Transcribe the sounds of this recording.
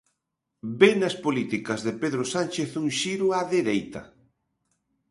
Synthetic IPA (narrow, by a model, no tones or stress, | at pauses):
benɐspolit̪ikɐzðepeðɾosant͡ʃeθuŋʃiɾʊaðeɾejt̪ɐ̰